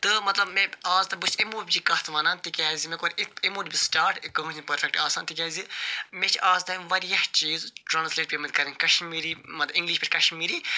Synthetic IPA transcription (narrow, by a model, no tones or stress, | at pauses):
t̪ɨmɐt̪lɐbmẽaːzt̪ɐbusʰʲemuːbʲd͡ʒikɐht̪ʰʋɐːnant̪ikʲaːzimẽkoɾʲit̪emuːdʲbʲisʈaːɾʈkɐɦut͡ʃʰʲpɐɾʲlʲɐk̚ʈaːsaːnt̪ikʲaːzimet͡ʃʰaːzt̪ɐʋɐɾjɐht͡ʃiːzʈɾaːnsleːʈ̚bʲimɐt̪kɐɾɐnkɐʃmiːɾiːmɐt̪ɐbĩŋɡliʃpʲiʈʰʲkɐʃmiːɾiː